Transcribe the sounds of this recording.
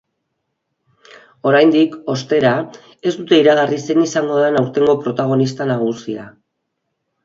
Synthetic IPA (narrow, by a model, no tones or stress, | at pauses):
o̞ɾajnd̪iko̞st̪e̞ɾa | e̞zd̪ut̪e̞iɾaɣarise̞nisaŋɡo̞ðenawɾt̪e̞ŋɡo̞pɾo̞t̪aɣ̞o̞nist̪anaɣ̞usia̰